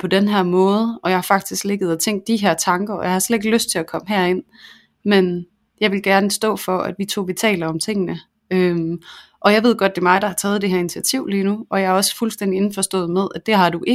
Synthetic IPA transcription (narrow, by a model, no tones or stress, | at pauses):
pʰɒ̽d̥enɦæɐ̰mɔ̽ːð̞ˠəʔɒ̽jɑhɑ̈fɑ̈ɡ̥̚d̥isɡ̥le̝ɡ̥ð̞̩ˠɒt͡sʰeŋ̰ɡd̥iɦæɐ̰t͡sʰɑ̈ŋɡ̥ɐɒ̽jɑ̈hɑ̈sled̥e̝ɡ̥løsd̥̚t͡sʰe̝lækʰɒ̽məɦæɐ̰e̝n̰ | men | jɑ̈ɪʋe̝lɡ̥æɐnəsd̥ɔ̰̽ːfɒ̽æd̥ʋit͡sʰo̝̰ːʋit͡sʰɛ̰ːlɐɒ̽mt͡sʰe̝ŋ̰ənə | øm | ʔɒ̽jɑ̈ɪʋe̝ð̞̰ˠɡ̥ɒ̽d̥̚d̥e̝mɑ̈ɪd̥ɑ̈hɑ̈t͡sʰɛːð̩ˠd̥e̝ɦæɐinit͡sʰiæt͡sʰiʊ̰liːnuɒ̽jɑɒ̽sfulsd̥end̥ie̝nfɒ̽sd̥ɔ̰̽ːð̩ˠmeðˠæd̥e̝ɦɑ̈d̥uʔe